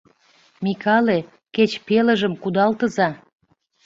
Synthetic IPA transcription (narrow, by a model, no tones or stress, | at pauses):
mikɑle | ket͡ɕpeləʒəmkud̪ɑlt̪əzɑ